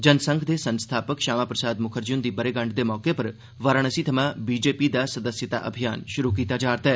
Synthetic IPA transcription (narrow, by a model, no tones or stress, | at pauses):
d͡ʒɐnsə̃ŋɡʰd̪esə̃nst̪ʰaːpəkʃaːmaːpɾəsaːd̪mʊkʰəɾd͡ʒʊnd̪iːbɐɾeːɡɐ̃ɳɖ̚d̪emɔːkepɐɾ | ʋəɾəɽ̃əsit̪ʰɐmãːbiːd͡ʒeːpid̪asɐd̪əsjət̪a̰ʔɐ̰bʱijaːnʃʊɾukiːt̪ad͡ʒaːɾt̪ɛː